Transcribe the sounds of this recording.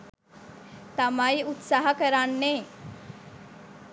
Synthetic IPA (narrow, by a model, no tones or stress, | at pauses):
t̪əmaiut̪saɦakəɾanːe